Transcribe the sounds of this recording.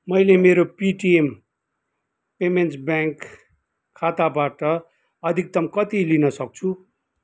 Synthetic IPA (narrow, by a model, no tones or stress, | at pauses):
mʌjlemeɾopiʈiem | pemensbjaŋkʰː | at̪abaʈʌ | ʌd̪ʱik̚d̪ʌmkʌt̪ilinʌsʌk̚t͡sʰu